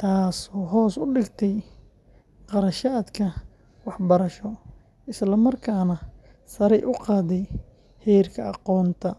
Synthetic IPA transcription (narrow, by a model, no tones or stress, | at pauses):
t̪ʰaːsɔːɦɔːsʊɖɪɡt̪ʰɛj | qɑɾɐʃaːd̪kʰɐ | wɑħbɐɾɐʃɔ | ɪslɐmɐrkʰaːnɐ | sɐɾɛjʔʊqɑːðɛj | hɛːrkʰɐɑqɔːnt̪ʰɐ